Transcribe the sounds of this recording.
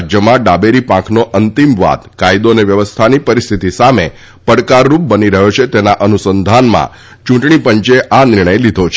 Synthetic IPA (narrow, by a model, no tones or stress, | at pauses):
d͡ʒjəmãɖabeɾipãkʰnoʔənt̪imʋa̰t̪kajd̪oneʋjəʋəst̪ʰanipəɾist̪ʰit̪isame | pəɽkaɾːup̚bəniɾəɦot͡ʃʰet̪enaʔənusənd̪ʱanmã̰ | t͡ʃũʈɳ̃ipəɲt͡ʃeʔanɪɾɳ̃əjlid̪ʱot͡ʃʰ